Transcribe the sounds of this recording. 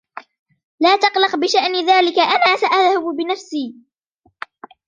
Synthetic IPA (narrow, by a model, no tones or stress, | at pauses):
laːt̪ɑqlɑqbɪʃaʔnɪðaːlɪkaʔanaːsaʔaðhabbɪnafsiː